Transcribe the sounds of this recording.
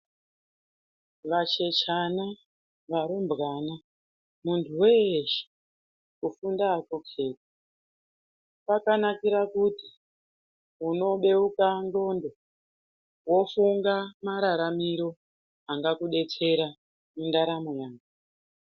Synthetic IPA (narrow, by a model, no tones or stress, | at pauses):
ʋat͡ʃe̞t͡ʃana | ʋaɾombɣana | muntʰuweʃe̥ | ufundaːkokʰe̞ːti̥ | pakanakiɾakuti | uno̞ɓe̞ukando̞ndo̞ | wo̞fuŋɡamaɾaɾamiɾo̞ | aŋɡakuɗe̞t͡se̞ɾa | mundaɾamojaːɡu